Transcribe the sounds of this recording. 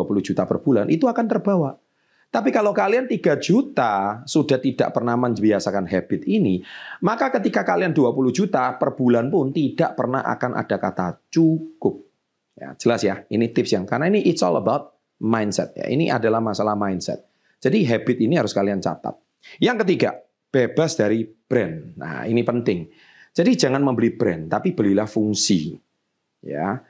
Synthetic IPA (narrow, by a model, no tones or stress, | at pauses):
apuluhd͡ʒut̪apərb̥ulanʔit̪uakant̪ərbawa | t̪apikalakaliant̪iɡad͡ʒut̪asud̥aht̪ida̰ʔpərnamənbiasakanɦab̥ɪt̪̚inimakakət̪ikakalianduapulʊhd͡ʒut̪apərb̥ulanpʊnt̪id̥aʔpərna̰hʔa̰kanʔa̰d̥akat̪a̰t͡ʃukʊp̚ | ja̰d͡ʒ̥əlasjainit̪ɪp̚sjaŋkarnainiʔɪt̪sɔ̰lə̰bawt̪̚ | majnsɛ̰t̪̚ja̰ʔḭniʔa̰dalahmasalahmajnsɛ̰t̪̚ | d͡ʒ̥adiɦabɪt̪̚iniɦaɾʊskaliant͡ʃa̰t̪a̰t̪̚ | jaŋkət̪iɡa̰ | b̥eb̥asd̥aɾib̥ɾɛnːa̰inipənt̪ɪŋ | d͡ʒ̥adid͡ʒaŋanməmbəlib̥ɾɛnt̪apib̥əlilahfuŋsḭ | ja̰